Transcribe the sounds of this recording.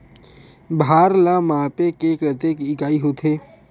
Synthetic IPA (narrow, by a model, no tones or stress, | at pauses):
bʱaːɾlãmaːpekekət̪ekɪkaːiɦot̪ʰeː